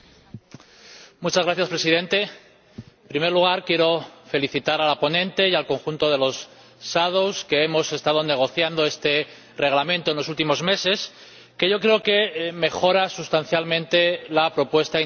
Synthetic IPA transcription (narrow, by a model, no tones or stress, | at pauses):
mut͡ʃazɣɾaθjaspɾe̞siðẽ̞nt̪e̞ | pɾime̞ɾluɣ̞aɾkje̞ɾo̞fe̞liθit̪aɾalapo̞nẽ̞nt̪e̞jalko̞ŋxunt̪o̞ð̞e̞lo̞sː | aðowske̞emo̞se̞st̪að̞o̞ne̞ɣ̞o̞θjand̪o̞e̞st̪e̞ | re̞ɣlamẽnt̪onlo̞sult̪imo̞zme̞se̞s | ke̞ʝo̞kɾe̞oke̞me̞xo̞ɾasust̪anθjalmẽnt̪e̞lapɾo̞pwe̞st̪a